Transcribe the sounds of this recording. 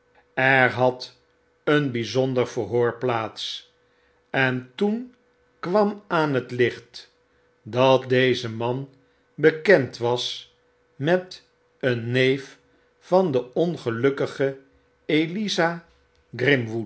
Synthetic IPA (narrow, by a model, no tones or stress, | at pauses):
ɛɹɦɑt | ənbizɔndəɹvəɦoːɹplaːts | ɛntun | kʋɑmaːnɦətlɪχt | dɑt̚dejzəmɑn | bəkɛntʋɑs | mɛt | ənːejf | fɑndəɔnχəlɵkəχə | eliza | ɡrɪmʋut